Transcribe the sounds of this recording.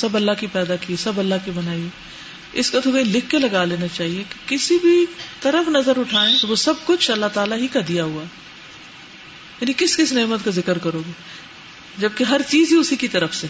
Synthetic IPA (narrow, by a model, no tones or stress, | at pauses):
sɐbɐlːakipɛːd̪akiesɐbɐlːaɦkibɐnaːie | ɪskot̪ʰoɡɐĩlɪkʰːelɐɡaleːnat͡ʃaːɦieke̥kɪsibʱit̪ɐɾəfnɐzəɾʊʈʰaːẽt̪oʋosɐb̚kʊt͡ʃʰɐlːat̪aːlaɦikad̪ijaɦuaɦɛ | jaːnikɪskɪsneːmət̪kazɪkəɾkɐɾoːɡe | d͡ʒɐb̚keɦɐɾt͡ʃiːziʊsikit̪ɐɾəfse